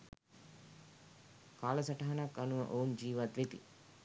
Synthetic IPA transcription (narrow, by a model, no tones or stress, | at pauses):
kaːlɐsɐʈɐɦanakːanuʋə̰ʔound͡ʒiːʋat̪ʋet̪ḭ